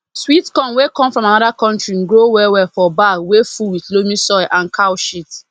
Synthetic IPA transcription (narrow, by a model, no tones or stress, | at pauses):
switkɔ̃nwekɔ̃mfɹɔ̃manɔdakɔ̃ntɹiɡɹowɛwɛfɔbawefuwiθlomĩsɔɪʔãnkʰawʃit